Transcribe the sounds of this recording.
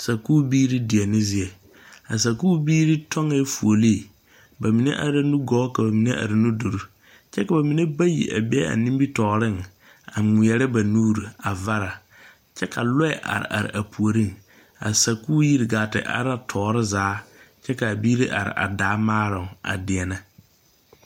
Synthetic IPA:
sa˨ku˦biː˦ɾi˦di˨ɛ˨nɪ̃˦zɪ˨ɛ˨ | a˨s̬a˨kuː˦biː˦ɾi˦tʰɔ̃˦ŋɛ˦fu˨o˨li˦˨ | ba˨mĩ˨nɛ̰̃˦ʔa˨ɾɪ˦nũ˦ɡɔː˦kʰa˨ba˨mĩ˨nɛ̃˦ʔa̰˨ɾɪ˨nũ˦do˨ɾu˦ | t͡ʃʰɛ˦ka˨ba˨mĩ˨nẽ˦ba˦jḭ˨ʔa̰˨bɛ˦a̰˨nĩ˦bi˦tʰɔː˨ɾɪ̃˦n | a˨mʊ̃˨jɛ˨ɾɪ˦ba˨nuː˦ɾu˨a˨va˦ɾa˨ | t͡ɕʰɛ˦kʰa˨lɔ˦ɛ˨ʔa̰˨ɾɪ̰˨ʔa̰˨ɾɪ̰˨ʔa˨pʰu˨o˨ɾĩ˦n | a̰˨sa˨kuː˦ji˦ɾɡaː˨tɪ̰˨ʔa̰˨ɾa˦tʰɔː˨ɾɪ˦zaː˨˦t͡ʃʰɛ˦ka˨biː˦ɾi˦ʔa̰˨ɾɪ̰˨ʔa̰˨daː˨˦mãː˦ɾɪ̃˨a̰˨dɪ˨ɛ˨nã˦

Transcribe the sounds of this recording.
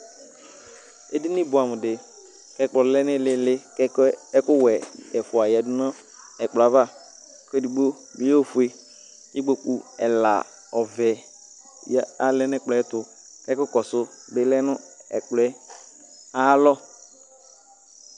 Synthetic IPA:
e˦dɪ˦nɪ˦˨bʊ˨a˨mʊ˨dɪ˨ | kɛ˦k͡plɔ˨lɛ˦nɪ˦lɪ˦lɪ˦kɛ˦kʊ˦wɛ˨ɛ˨fʊ˨a˨ja˨dʊ˦nɔ̃˦ | ɛ˨k͡pla˨va˦˨ | ke˦di˨ɡ͡bo˦ | bɪ˦jo˦˨fʊ˨e˨ | ɪ˦ɡ͡bo˨k͡pu˨ɛ˨la̰˨ | ɔ˨vɛ˨ | ja˦a˨lɛ˦nɛ˦k͡plɔ˨˦ɛ˦tʊ˨ | kɛ˦kʊ˦kɔ˨sʊ˦bɪ˨˦lɛ˦nʊ˦ɛ̰˨k͡plɛ˦ | a˦lɔ˦

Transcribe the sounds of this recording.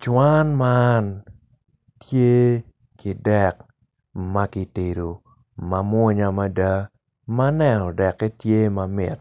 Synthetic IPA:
t͡ʃwa˦nman | tje˦ | kɪ˨dɛ˦˨k | ma˦kɪ˨te˨ɾo˨ | ma˨mwɔ˦ɲa˦ma˦da˦ | ma˦nɛ˨nɔ˨dɛ˨kːɛ˦tje˦ma˨mɪ̰˨t

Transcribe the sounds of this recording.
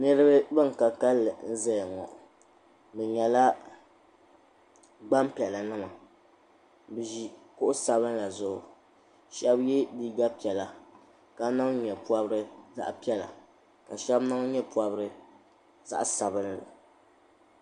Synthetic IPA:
nɨ˦ɾɨ˦bɨ˦bɨ˦ŋ˨ka˨ka˦lːɨ˨n̩˦zɛ˦˨ŋɔ̰˨ʔ | bɛ˨ɲɛ˨la˦ | ɡ͡ba˦mpi˨ɛ˨la˨nɨ˦ma˨ | bɨ˨ʒi˦kʊ˦ʔʊ˦sa˨bɨ˦n˦la˨zʊ˨ʔʊ˨ | ʃɛ˦bjɛ˦di˦ɡa˦pi˨ɛ˨la˨ | ka˦na˦ŋɲɛ˨pu˦a˦bɨ˦ɾɨ˦za̰˦ʔpɛ˦la̰˨ | ka˨ʃɛ˦bna˦ŋ˦ɲɛ˦pu˦a˦bɨ˦ɾɨ˦ | za̰˦ʔsa˨bɨ˦n˦lɨ˨

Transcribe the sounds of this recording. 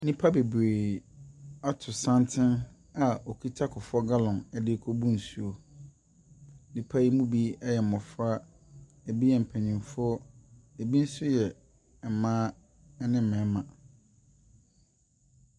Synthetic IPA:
nĩ˦pʰa˦be˨bɾeː˨ | a˦tʰʊ˨sã˦ntʰɪ̃˦n | a˨o˨kʰi˦tʰa˦kʰʊ˨fɔ˦ɡa˦lɔ̃˨ɛ˨dɪ˦kʰo˦bũ˦n̩˨su˦o˨ | nĩ˨pʰa˦ji˦mũ˦bi˦ɛ˦jɛ˨m̩˨mɔ̃˨fɾa˦ | e˨bi˦jɛ˨m̩˨pʰæ̃˨ɲĩ˨fʊ˦ɔ˦e˨bi˦n̩˦sʊ˦jɛ˨ | ɛ˨mãː˦ | ɛ˦nɪ̃˦m̩˨mɛ̃˨˦mã˨

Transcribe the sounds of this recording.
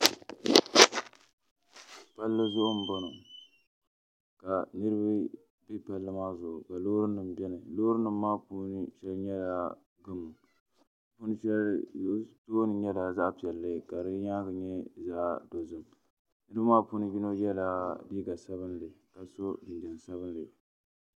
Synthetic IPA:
pa˦lːɨ˦zʊ˦ʔʊ˦m̩˨bo˦no˨ | ka˨nɨ˦ɾɨ˦bɨ˦ | bi˦pa˨lːɨ˦maː˦zʊ˨ʔʊ˨ka˨loː˦ɾɨ˦nːɨ˨mbɛ˦nɨ˨loː˦ɾɨ˦nːɨ˨mː˦aː˦puː˦nɨ˦ʃɛ˦lɲɛ˦laː˦ | ɡɨ˦mːʊ˨ | pu˦nɨ˦ʃɛ˦l | toː˦nɨ˨ɲɛ˦daː˨za˦ʔpi˨ɛ˨lːɨ˦˨ka˨ɾɨ˦ɲaː˦ɡɨ˨ɲɛ˦za˦ʔdo˨zɨ˦m | nɨ˦ɾɨ˦bɨ˦maː˦puː˦nɨ˦ji˦no˦jɛ˦laː˦biː˦ɡa˨sa˦βɨ˦nlɨ˨ka˨so˦dɨ˨n˨dɛ˨n˨sa˦βɨ˦n˦lɨ˨

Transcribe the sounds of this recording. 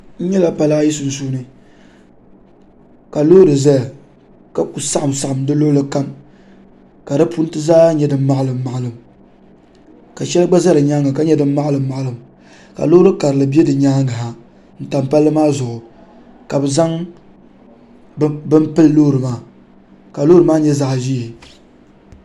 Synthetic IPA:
n̩˦ɲɛ˦la˦pa˨la˦ji˦su˨n̩˨s̬uː˦nɨ˨ | ka˨lo˦ɾɨ˨za˦˨ | ka˦ku˨sa˦ʔa˨msa˨ʔa˨mdɨ˦lo˦lɨ˦ka˦m | ka˨dɨ˦pu˦n˦tɨ˦zaː˦ɲɛ˦dɨ˨m̩˦ma˦ʔlɨ˨mː˦a˨ʔa˨lɨ˨m | ka˨ʃɛ˦lɨ˦ɡ͡ba˦za˦ɾɨ˨ɲaː˦ŋa˨ka˦ɲɛ˦dɨ˦m̩˦ma˦ʔa˦lɨ˨mː˦a˨ʔa˦˨lɨ˨m | ka̰˨lo˦ɾɨ˦ka˨ɾɨ˨lɨ˨bɛ˦dɨ˨ɲaː˦ŋa˨ɦa˨ | n̩˦ta˨mpa˦lːɨ˦maː˦zʊ˨ʔʊ˨ | ka˨bɨ˨za˦ŋ | bɨ˦mpɨ˦lloː˦ɾɨ˨maː˨ | ka˨loː˦ɨ˨maː˦ɲɛ˦za˦ʔʒi˦˨

